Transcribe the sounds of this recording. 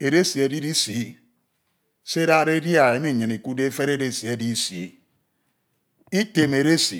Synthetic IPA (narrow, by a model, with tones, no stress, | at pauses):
e˨ɾe˦si˨e˨di˦di˦si˨˦ | se˦ɾa˦ɾe˦dja˨e˨˦mi˦˨ɲɨ˨ni˨ku˦de˦fe˦ɾe˦de˦˨si˨e˨di˦sḭ˨˦ | i˦te˨me˨ɾe˦si˨